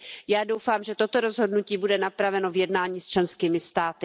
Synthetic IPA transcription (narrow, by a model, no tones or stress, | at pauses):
jaːdowfaːmʒɛt̪o̞t̪o̞ɾo̞zɦo̞dnuciːbudɛnapɾavɛno̞vjɛdnaːɲiːst͡ʃlɛnskiːmɪst̪aːt̪ɪ